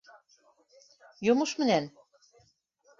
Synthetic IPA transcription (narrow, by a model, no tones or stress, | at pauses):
jomuʃmɘ̆næn